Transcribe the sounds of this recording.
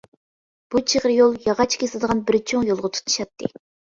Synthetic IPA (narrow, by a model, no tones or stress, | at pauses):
b̥ut͡ʃʰeʁɾjolˠjɑʁɑt͡ʃʰkʲeslˠɨd̪əʁɑnbɪɾt͡ʃʰoŋjolˠʁɑt̪ʰu̥t̪ʰɨ̥ʃɑt̪ʰːɨ